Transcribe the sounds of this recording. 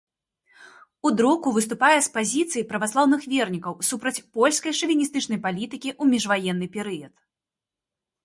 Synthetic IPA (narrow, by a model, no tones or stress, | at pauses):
ud̪ɾukuvɨst̪upajɛspazʲit̪sɨjipɾɐvaslˠawnɨxvʲɛrnʲikɐwsupɾɐt͡sʲpɔlʲskɐjʂɨvʲinʲist̪ɨt͡ʂnɐjpalʲit̪ɨkʲiʔumʲiʐvajɛnːɨpʲɛɾɨjɐt̪